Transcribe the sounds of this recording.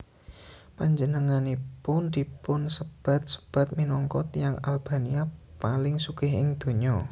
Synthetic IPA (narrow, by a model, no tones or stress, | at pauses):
paɲd͡ʒənəŋanipʊnd̪i̤pʊnsəb̥a̤t̪̚sə̥b̥a̤t̪̚minɔŋkɔt̪jaŋalb̥a̤niapalɪŋsukɪɦɪŋd̪̥o̤ɲɔ